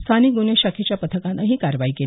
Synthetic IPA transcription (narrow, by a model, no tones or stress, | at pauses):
st̪ʰanik̚ɡuneɕakʰet͡ɕjapət̪ʰəkãnaɦiːkaɾəʋaiːke